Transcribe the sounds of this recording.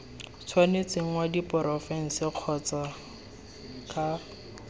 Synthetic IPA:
t͡sʰwanet͡seŋ̩wadipɔɾɔfɛn̩seq͡χʰɔt͡sa | kʰa

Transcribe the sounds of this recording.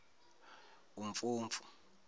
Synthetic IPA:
uɱfuːɱfu̥

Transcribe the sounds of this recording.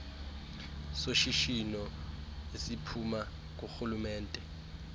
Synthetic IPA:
soʃiʃinɔ | esipʰuma | k̬ʼoxulumɛːntʼɛ

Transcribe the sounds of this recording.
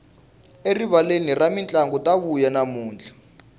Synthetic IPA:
eriβaleniramint͡ɬʼaŋɡɔtʼaβujanamuːnd͡ɮʱa

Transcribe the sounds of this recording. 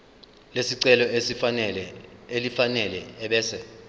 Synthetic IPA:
lesiǀɛlɔeɛlelifanɛlɛːɓɛːsɛ

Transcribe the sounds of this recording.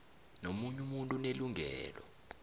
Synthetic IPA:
nomuɲumuntʼuneluŋʱɛːlɔ̰

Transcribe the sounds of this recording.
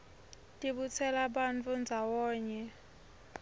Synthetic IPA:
tʼiɓut͡sʰɛlaɓant͡fʰʼund͡zʱawɔːɲɛ

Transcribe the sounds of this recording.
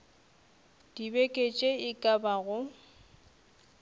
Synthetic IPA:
d̥ibekʼet͡ʃʼeɪkʼabaɣʊ

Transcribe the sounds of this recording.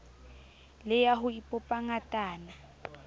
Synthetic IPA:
lɛjaɦʊipʼɔpʼaŋatʼaːna

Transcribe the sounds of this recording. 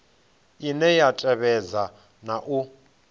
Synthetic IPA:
inɛjatʼɛβɛd͡za | naʔu

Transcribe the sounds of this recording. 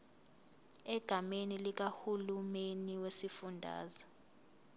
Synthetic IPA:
ɛɡ̥ʱamenilik̬ahulumeniwesifundʱa̰ːzɔ

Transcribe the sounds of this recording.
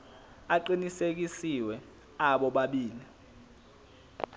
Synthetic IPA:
aǃinisek̬isiwɛ | aɓɔɓaɓiːli

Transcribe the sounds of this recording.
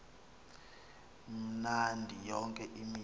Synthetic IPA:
m̩nandʱijɔŋkʼɛʔimi

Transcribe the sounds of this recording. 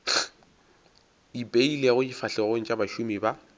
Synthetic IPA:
ipʼeileɣʊifaɬɛɣʊn̩t͡ʃʼabaʃumiba

